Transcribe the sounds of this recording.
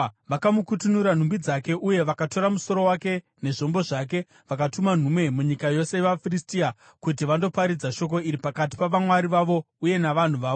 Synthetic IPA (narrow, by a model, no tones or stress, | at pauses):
ʋakamukutunuɾan̤umbid͡zake̞ʔuje̞ʋakato̞ɾamuso̞ɾo̞wake̞ | ne̞ʐo̞mbo̞ʐak̬e | ʋakatuman̤umwe̞muɲikajo̞seeʋafiristia | kut̬iʋando̞paɾid͡zaʃo̞k̬o̞iɾipakat̬i̥paʋamwaɾiʋaʋo̞ | uje̞naʋan̤uʋaːo